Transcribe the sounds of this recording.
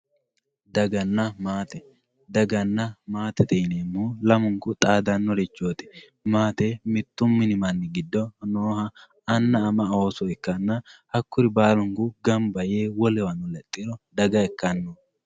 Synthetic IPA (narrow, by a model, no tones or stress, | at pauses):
d̪ɐɡɐnːɐmaːt̪ɛ | d̪ɐɡɐnːɐmaːt̪ɛt̪ɛjneːmːulɐmʊŋkʊt̪ʼaːd̪ɐnːɔɾɛt͡ʃːoːt̪ɛ̥ | maːt̪ɛmɪt̪ːʊmːɪnɪmɐnːɪɡɪd̪ːɔnoːhɐː | nːɐːmɐoːsɔɛkːɐnːɐhɐkːʊɾɪbaːlʊŋkʊɡɐmbɐjeːwɔlɛwɐnʊlɛt̪ʼːɪɾɔd̪ɐɡɐɛkːɐnːo